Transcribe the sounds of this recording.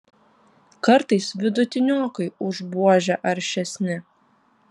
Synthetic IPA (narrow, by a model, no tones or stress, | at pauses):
kɐɾt̪ɐɪsʋʲɪd̪ʊt̪ʲɪnʲoːkɐɪʊʒbuɔʒʲɛʔɐɾʲʃʲɛsʲnʲɪ